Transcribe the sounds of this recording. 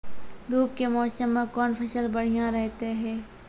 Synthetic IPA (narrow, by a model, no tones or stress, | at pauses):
d̪uːp̚kemɔːsəmːẽkɔːnfʰɐʃəlbɐɽ̤ijãɾɛɦt̪eɦɛ̃ː